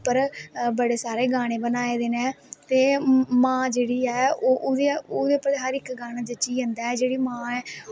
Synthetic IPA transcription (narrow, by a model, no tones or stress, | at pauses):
pəɾbəɽeːsaːɾeːɡaːɽ̃ẽːbənaːeːd̪eːneː | t̪eːmãːd͡ʒeːɽiːɛːoːʔod̪eːoːd̪eːpəleːɦəɾɪkɡaːɽ̃aːd͡ʒət͡ʃiːə̃nd̪aːɛːd͡ʒeːɽiːmãːɛː